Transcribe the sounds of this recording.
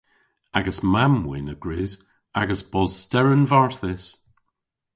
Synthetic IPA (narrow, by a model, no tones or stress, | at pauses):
aɡəsmamwɪ̰nəɡ̥ɹeːz | aɡəsb̥ɔz̥stɛɹənvaɹθɪs